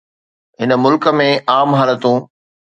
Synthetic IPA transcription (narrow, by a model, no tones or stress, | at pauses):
ɦɪnə̆mʊlkə̆mẽʔaːmɦaːlət̪ũ